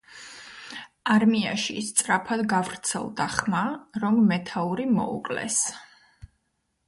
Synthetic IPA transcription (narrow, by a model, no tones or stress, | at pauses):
aɾmiaʃḭst̪sʼɾapʰad̪ɡavɾt̪sʰɛ̰lˠd̪aχmaɾɔmmɛt̪ʰauɾimɔ̰ṵkʼlɛ̰s